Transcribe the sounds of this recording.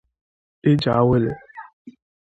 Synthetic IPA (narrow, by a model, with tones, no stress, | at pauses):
ɪ˦d͡ʒa˨˦we˦le˨